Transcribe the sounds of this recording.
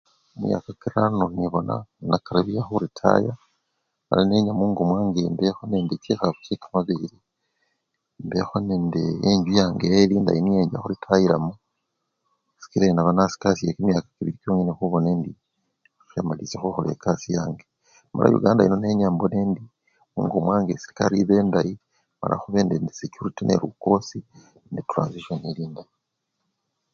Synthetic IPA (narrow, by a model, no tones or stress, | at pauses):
imja̰ːkakiɾanoniβo̞na̰nakaɾaβiaxuɾitʰa̰ja | ma̰laneːɲamuːŋɡomwaːŋɡembexonendit͡ʃexaku̥t͡ʃikḁmaβiɾi | mbexonendeeɲɟujaːŋɡelinda̰jinijeːɲɟa̰xuɾitʰajiɾamu | si̥kiɾainaβanasi̥kasijekimjakḁkiβiɾikjoːŋinexuβo̞nendi | ʃamalisexuxolḛkasija̰ːŋɡe | ma̰la̰jṵɡaːndajino̞ne̞ɲaːmbo̞ne̞ːndi | ṵŋɡomwaːŋɡesi̥ɾikaɾiβe̞ːndaji | ma̰la̰xuβeːndendisecuɾitinʔe̞̰ɾṵkosi | nditɾa̰ːnziʃoneliːndaji